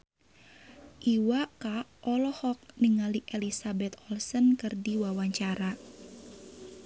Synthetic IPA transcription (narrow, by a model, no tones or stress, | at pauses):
ʔiwakaʔɔlɔhɔk̚niŋaliʔelisabɛt̪̚ɔlsənkɨrdiwawaɲt͡ʃaɾa